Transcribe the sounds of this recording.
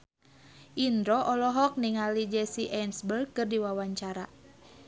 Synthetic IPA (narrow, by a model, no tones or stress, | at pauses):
ʔind̪ɾɔʔɔlɔɦɔk̚niŋalid͡ʒɛsiʔɛnsbəlkɨrdiwawaɲt͡ʃaɾa